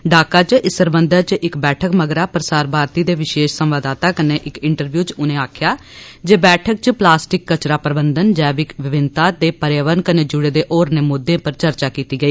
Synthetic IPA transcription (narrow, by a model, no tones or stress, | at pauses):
ɖaːkaːt͡ʃɪsəɾbənd̪əɾt͡ʃʔɪkbɛːʈʰəkməɡɾaːpɾəsaːɾbʱaːɾt̪iːd̪eːʋɪʃeːʃsəmʋaːd̪aːt̪aːkəneːʔɪkɪɳʈəɾʋjuːt͡ʃʊnẽːaːkʰjaː | d͡ʒeːbɛːʈʰək̚t͡ʃplaːsʈɪkːət͡ʃɾaːpɾəbənd̪ənd͡ʒɛːbɪkʋɪʋɪnt̪aːd̪eːpəɾjaːʋəɾnkəneːd͡ʒʊɽeːd̪eːʔɔːɾneːmʊd̪ːẽːpəɾt͡ʃəɾt͡ʃaːkiːt̪iːɡəiː